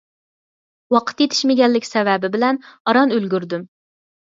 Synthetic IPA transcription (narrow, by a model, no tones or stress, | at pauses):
wɑqʰə̥t̪jet̪ʰɪ̥ʃmɪɡʲɛlːɪkʲsɛvɛbɪbɪlɛnɑɾɑnølɡʲyɾd̪ym